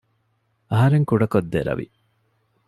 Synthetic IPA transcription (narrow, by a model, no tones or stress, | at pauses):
ɐɦɐɾeŋkuɖɐkod̪ːeɾɐ̰ʋḭ